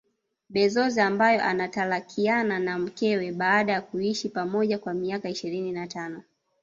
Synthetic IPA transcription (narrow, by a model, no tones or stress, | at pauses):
ɓɛzɔziambajɔʔa̰natalakʰiananam̩kɛwɛɓaːɗajakuiʃipamɔʄakwamiakaiʃiɾininatanɔ